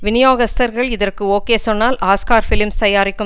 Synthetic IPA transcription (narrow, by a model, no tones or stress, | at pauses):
ʋɪnɪjoːɣɐst̪ɐɾɣɐɭɪðɐrkɯoːkeːsɔnːaːlaːskaːɾfɪlɪmst̪ɐjaːɾɪkːɯ